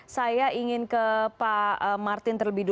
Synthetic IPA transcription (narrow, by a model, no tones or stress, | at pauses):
sajaiŋɪnkəpaəmart̪ɪnt̪ərləbihdu